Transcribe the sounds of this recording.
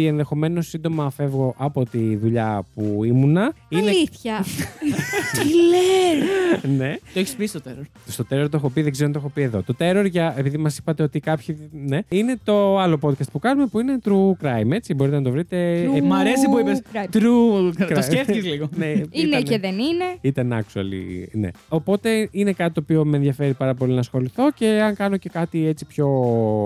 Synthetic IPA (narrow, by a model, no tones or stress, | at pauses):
ienðe̞xo̞me̞no̞sind̪o̞mɐfe̞vɣo̞ʔɐpo̞t̪iðuʎɐ̰puimunɐineliθçɐ | ile | ne̞t̪oeçispist̪ot̪eɾoɾ | st̪ot̪eɾo̞ɾt̪oexopiðeɡzeoɐnexo̞pie̞ðo̞̰t̪o̞t̪e̞ɾo̞ɾʝɐepiðimɐsi̥pɐt̪eo̞t̪ikɐpçineine̞t̪o̞ɐlo̞po̞d̪kɐst̪̚pukɐnume̞puine̞t̪ɾukɾɐjme̞t͡sibo̞ɾit̪enɐt̪ovɾit̪e̞mɐɾesipuipesɾt̪ɾuosefizliɣoneiineeðenineit̪ɐnɐ̰ksuɐ̰lḭne̞̰o̞po̞t̪e̞inekɐt̪it̪opio̞menðʝɐfe̞ɾipɐɾɐpo̞linɐsxo̞liθo̞ce̞ɐŋkɐno̞ce̞kɐt̪iet͡si̥pço̞